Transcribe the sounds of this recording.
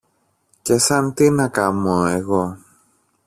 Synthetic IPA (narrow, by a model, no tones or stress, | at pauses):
ce̞sɐnt̪inɐkɐmoeɣo